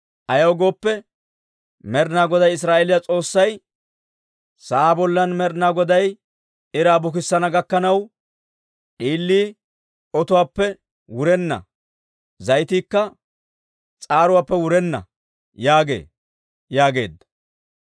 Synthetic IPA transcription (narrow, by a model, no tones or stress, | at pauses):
ʔɐjɐwɔɡo̞ːpːɛ | mɛɾnaːɡɔd̪ɐjɪs̬ɾaːʔelɪjat͡sʼo̞ːsːɐj | saːbɔlːɐnmɛɾnaːɡɔd̪ɐj | ɪɾaːbʊk̬ɪsːɐnɐɡɐkːɐnɐw | ᶑiːlːiː | ɔt̪ʊwaːpːɛ | wʊɾɛnːɐ̰ | zɐjt̪iːkːɐ | t͡sʼaːɾʊwaːpːɛwʊɾɛnːɐ̰ | jaːɡe̞̰ː | jaːɡe̞̰ːd̪ːɐ̥